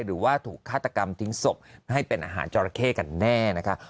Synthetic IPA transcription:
jɾɯː˩˦waː˥˩t̪ʰuː˨˩kʰːaː˥˩t̪ːa˧ka˧mt̪ʰi˦˥ŋso˨˩p̚ha˥˩jpe˧nʔaː˧ɦa̰ː˩˦nt͡ɕɔː˧ɾa˧kʰeː˥˩ka˧nːɛː˥˩na˦˥kʰa˦˥

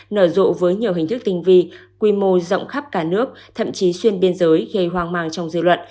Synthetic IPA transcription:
nəː˧˩zo̰˧˨vəː˨˦jɲi˨˩əwɦï˨˩ŋ̟t̪ɨ˦˥k̚t̪ï˧˩ŋ̟vi˧kwi˧mo˧zə̰˧˨wŋ͡mxa˦˥p̚kaː˧˩nɨ˦˥ək̚t̪ʰə̰˧˨mt͡ɕi˨˦swi˧ənɓi˧ənzəː˨˦jɣe˧˩jɦwaː˧˩ŋmaː˧˩ŋt͡ɕɔ˧wŋ͡mzɨ̰˧˨lwə̰˧˨n

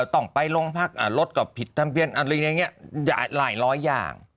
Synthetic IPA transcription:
wt̪ɔ˧˩ŋpa˧jlo˧ŋpʰa˦˥˩k̚ʔaː˧˩lo˦˥t̪̚ka˨˩pʰːi˨˩t̪ʰːa˧mpʰi˧ənʔa˧˩ɾlɯː˧˩a˧ŋːi˦˥ɐja̰ː˨˩la̰ː˩˦jɾɔː˦˥jːa̰ː˨˩ŋ

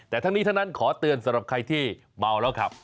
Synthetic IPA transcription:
t̪ɛː˨˩t̪ʰa˦˥ŋni˦˥t̪ʰa˥˩na˦˥nkʰɔː˩˦t̪ɯ˧ənsa˩˦mɾa˨˩p̚kʰa˧jt̪ʰiː˥˩ | ma˧wlɛː˦˥wkʰɾa˦˥p̚

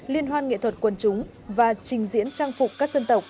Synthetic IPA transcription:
li˧ənɦwaː˧nŋḛ˧˨t̪ʰwə˨˩t̚kwə˨˩nt͡ɕʊ˨˦ŋ͡m | vaː˨˩t͡ɕï˨˩ŋ̟zḭ˧˥ənt͡ɕaː˧ŋfʊ˨˩k͡p̚kaː˦˥k̚zə˧nt̪ə˨˩wk͡p̚

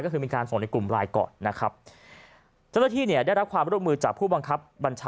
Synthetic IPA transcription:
kɔ˥˩ɯː˧miː˧kaː˧nso˨˩˦na˧klu˨˩mɾaː˧jkɔ̰ː˨˩nːa˦˥kʰɾa˦˥p̚ | t͡ɕa˥˩wna˥˩t̪iː˥˩ni˥˩ɐdaː˥˩jɾa˦˥kʰwaː˧mɾu˦˥əmɯː˧t͡ɕaː˨˩k̚pʰuː˥˩ba˧ŋkʰa˦˥p̚ba˧nt͡ɕʰaː

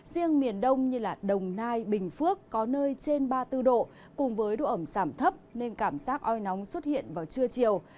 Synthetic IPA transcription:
zi˧əŋmi˨˩ənɗə˧wŋ͡mɲɨ˧laː˨˩ɗə˨˩wŋ͡mnaː˧jɓï˨˩ŋ̟fɨ˦˥əkːɔ˨˦nəː˧jt͡ɕe˧nɓaː˧t̪ɨ˧ɗo̰˧˨ | kʊ˨˩ŋ͡mvəː˨˦jɗo̰˧˨ʔə˧˩mzaː˧˩mt̪ʰə˦˥p̚ne˧nkaː˧˩mzaː˦˥k̚ʔɔ˧jnɔ˨˦wŋ͡mswə˦˥t̚hḭ˧˨ənvaː˨˩wt͡ɕɨ˧ət͡ɕi˨˩əw

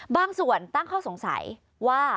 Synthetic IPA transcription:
baː˥˩ŋsu˨˩ənt̪a˥˩ŋkʰɔː˥˩so˨˩˦ŋsa̰˨˩˦j | waː˥˩

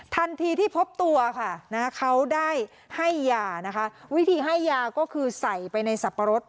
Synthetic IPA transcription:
t̪ʰa˧nt̪ʰiː˧t̪ʰiː˥˩pʰo˦˥p̚t̪u˧ɐkʰa˥˩na˦˥kʰa˦˥wdaː˥˩j | ha˥˩jːaː˧na˦˥kʰa˦˥ʔwi˦˥t̪ʰiː˨˩ɦa˥˩jːaː˧kɔː˥˩kʰɯː˧sa˨˩jpa˧jna˧jsa˨˩pːa˧ɾo˦˥t̪̚

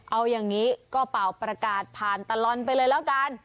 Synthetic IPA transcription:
ʔa˧wjaː˨˩ŋŋiː˦˥kɔː˥˩pa˨˩wpɾa˧kaː˨˩t̪̚pʰaː˨˩nt̪a˧lɔ˧np̬a˧jlɤː˧jlɛː˦˥wka˧n

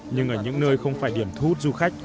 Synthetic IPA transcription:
ɲɨ˧ŋʔəː˧˩ɲɨ̰˧˥ŋnəː˧jxə˧wŋ͡mfaː˧˩jɗi˧˩əmt̪ʰu˦˥t̚zu˧xa˦˥jk̟̚

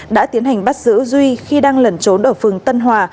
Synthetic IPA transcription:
ɗa̰ː˧˥t̪i˨˦ənha˨˩ŋ̟ɓa˦˥t̚zɨ̰˧˥zwi˧xi˧ɗaː˧ŋlə˨˩nt͡ɕo˨˦nʔəː˧˩fɨ˨˩əŋt̪ə˧nɦwaː˨˩

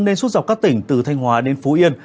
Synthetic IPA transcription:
ne˧nswt̚za˨˩k͡p̚kaː˦˥k̚t̪ï˧˩ŋ̟t̪ɨ˨˩t̪ʰa˧jŋ̟ɦwaː˨˦ɗe˨˦nfo˨˦ʔi˧ən

